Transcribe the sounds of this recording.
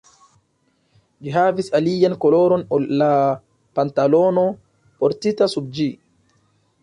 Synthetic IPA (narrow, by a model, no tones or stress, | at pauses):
d͡ʒiɦavisalijankolo̞ɾo̞nulːa | pantalo̞no̞ | poɾtitasub̚d͡ʒi